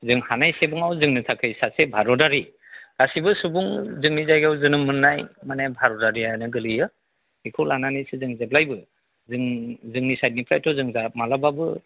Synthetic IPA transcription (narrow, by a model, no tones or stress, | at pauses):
zɯŋhanajsebɯŋawzɯŋnɯtʰakʰɯjsasebʱaɾɔdaɾi | ɡ̥asibɯsubuŋzɯŋnizajɡawzɯnɯmɯnːajmanajbʱaɾɔdaɾiajanɯɡɯlɯjɯ | hikʰulananisɯzɯŋzeb̚lajbɯ | zɯŋzɯŋnisajt̚nipʰɾajtʰɔzɯŋzamalababɯ